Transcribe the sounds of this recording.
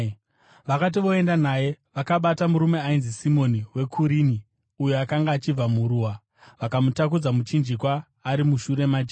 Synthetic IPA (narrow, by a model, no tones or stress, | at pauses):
ʋakat̬iʋo̞e̞ndanaje̞ʋakaɓatamuɾume̞ainzisimo̞niwe̞kʰuɾini | ujoakaŋɡaːt͡ʃib͡vamuɾuwa | ʋakamutak̬ud͡zamut͡ʃind͡ʒikwaː | ɾimuʃuɾe̞mad͡ʒe